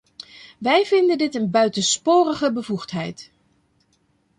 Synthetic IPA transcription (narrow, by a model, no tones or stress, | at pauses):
ʋɛjvɪndəndɪtənbœɥtənspoːrəχəbəvuxtɦɛjt